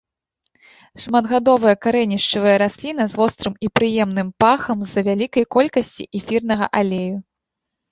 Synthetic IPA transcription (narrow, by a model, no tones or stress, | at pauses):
ʂmad̪ɣad̪ɔvɨjɐkaɾɛnʲiʂt͡ʂɨvɨjɐɾasʲlʲin̪ɐzvɔst̪ɾɨmipɾɨjɛmnɨmpaxɐmzɐvʲalʲikɐjkɔlʲkɐsʲt͡sʲḭʔɛfʲirnɐɣɐ̰ʔalʲeju